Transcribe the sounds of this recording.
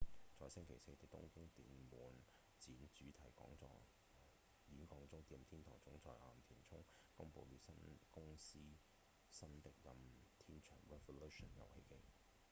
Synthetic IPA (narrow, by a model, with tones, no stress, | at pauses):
t͡sɔː˨˧jsɪ˥ŋkʰe˨˩jse˧jt̪e˨˧t̪ʊ̰˥ŋkʊ˥ŋt̪ḭː˨nmuː˨˥n | t͡siː˨˥nt͡ʃyː˨˥t̪ʰɐ˨˩jkɔ̰ː˨˥ŋt͡sɔ̰ː˧ | jiː˨˥nkɔː˧ŋt͡sʊ˥ŋt̪iː˧mt̪ʰiː˥nt̪ʰɔː˨˩ŋt͡sʊ˨˥ŋt͡sɔː˨˩jʔaː˨mt̪ʰiː˨˩nt͡sʰʊ˥ŋ | kʊ˥ŋpo˧wlyː˨˥sɐ˥nkʊ˥ŋsiː˥ | sɐ˥nt̪ɪ˨k̚jɐ˨mt̪ʰiː˥nt͡ʃʰœː˨˩ŋɹɛ˧fo˧lu˥ʃɔ˨˩njɐ̰˨˧whḛ˧jkɪ˥ŋ